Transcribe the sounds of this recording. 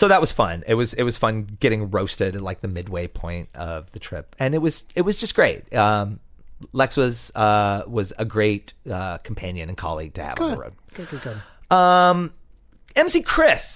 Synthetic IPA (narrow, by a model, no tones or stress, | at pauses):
soʊðət̚wʌz̥fʌ̰̃nɪt̚wʌzɪt̚wʌz̥fʌ̃nɡ̥ɛɾɪ̃ŋɹoʊstɨɾɨtˡlaɪk̚ðɨmɪd̚weɪpʰɔ̰̃ɪ̃nt̚ʌ̰vðɨtʰɹ̥ɪ̰p̚ɨ̃nɨt̚wʌz̥ɨt̚wʌzd͡ʒʌsɡ̥ɹeɪt̚ʌ̃mlɛksɨzʌwʌzɨɡɹeɪt̚ʌkʰm̩pʰæ̃njɨ̃nɨ̃nkʰɑ̰lˠḭɡ̚tʰɨɨ̰vɡɹo̰ʊd̚ | ʌ̃m | ɛ̃msikʰɹ̥ɪs